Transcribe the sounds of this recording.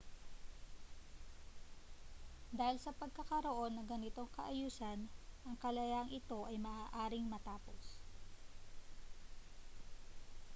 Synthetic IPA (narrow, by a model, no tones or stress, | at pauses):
d̪aːhɪlsɐpɐɡ̚kɐkɐɾoʔo̞nːɐŋɡɐnɪt̪o̞ŋkɐ̰ʔɐjuːsɐnʔɐŋkɐlɐjaɐŋʔɪt̪o̞ʔɐjmɐʔaːʔaːɾɪŋmɐt̪aːpo̞s